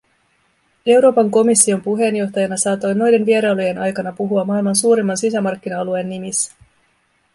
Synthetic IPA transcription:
e̞wɾo̞ːpɑŋko̞misːio̞mpuɦe̞njo̞xt̪ɑjɑnɑsɑːt̪o̞jno̞jde̞nʋie̞ɾɑoloje̞nʔɑjkɑnɑpuɦuɑmːɑilmɑnsuːɾimːɑnsis̬æmɑrk̟ːinɑɑlue̞nːimisːæ̥

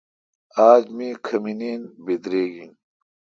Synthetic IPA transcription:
aːd͡ʑmikʰɐminiːnbed̪ɾeːɡin

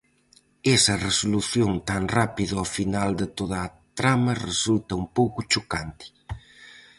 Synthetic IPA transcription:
ɛsɐresoluθjoŋt̪aŋrapiðɐafinald̪ɪt̪oð̞ɐːt̪ɾamɐresult̪ɐumpowkʊt͡ʃokant̪ɪ̥

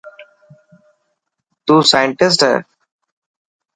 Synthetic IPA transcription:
t̪uːsajə̃ɳʈɪs̬ʈɦɛ̰

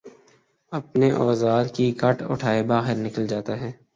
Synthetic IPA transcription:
ɐpneʔɔːzaːɾkikɐʈʰʊ̰ʈʰaːebaːɦɪɾnɪkəld͡ʒaːt̪aɦɛː

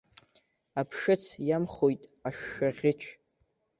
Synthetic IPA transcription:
apʰʂɨt͡sʰjamχojtʼaʂːaʁʲɪt͡ʃʷʰ

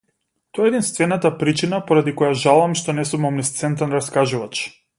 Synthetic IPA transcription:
t̪ɔjaɛd̪inst̪vɛnat̪apɾit͡ʃinapɔɾad̪ikɔjaʒalˠamʃt̪ɔnɛsumɔmnɛst̪sɛnt̪ɛnɾaskaʒuvat͡ʃ

